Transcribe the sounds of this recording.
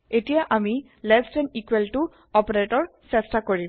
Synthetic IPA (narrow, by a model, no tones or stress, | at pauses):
etijaʔami | lɛstɛnikweltu | ɔpeɹetɔɹsɛstakoɹim